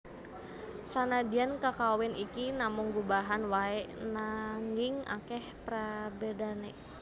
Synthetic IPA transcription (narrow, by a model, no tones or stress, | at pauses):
sanadiankakawɛnikinamʊŋɡubaɦanwaɛʔnaŋɡiŋa̰kɛhpɾabedanɛ